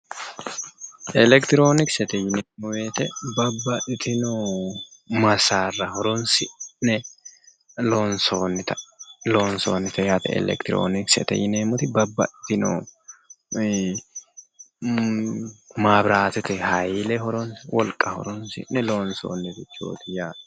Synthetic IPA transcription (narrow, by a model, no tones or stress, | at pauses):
ʔɛlɛkt̪ɪɾo̞ːnɪksɛt̪ɛjɪneːmːɔweːt̪ɛbɐbːɐʔɪt̪ɪnɔ | mɐsaːrːɐhɔɾɔnsɪʔnɛ | lonsonːɛt̪ɐloːnsoːnːɛt̪ɛjat̪ɛ̰ɛ̰lɛ̰kt̪ɪɾo̰ːnɪksɛ̰t̪ɛ̰jɪneːmɔt̪ɪbɐbːɐ̰ʔɪt̪ɪnɔ̰ | maːbɾaːt̪ɛt̪ɛhɐjɪlɛɦɔɾɔnwɔlkʼːɐhɔ̰ɾɔnsɪ̰nɛloːnso̰ːnːɛd̪ɪt͡ʃːo̰ːt̪ɪjaː